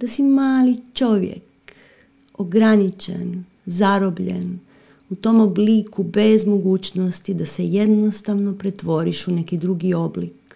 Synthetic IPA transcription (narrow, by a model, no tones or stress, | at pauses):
d̪̥asimaːlit͡ʃo̞ʋjḛk | oɡɾanit͡ʃḛn | zaɾobʎḛn | ut̪o̞ːmoblikubezmo̞ɡuːt͡ɕnost̪id̪ase̞je̞d̪nost̪aʋnopɾet̪ʋo̞ɾiʃune̞kid̪ɾuɡio̞blik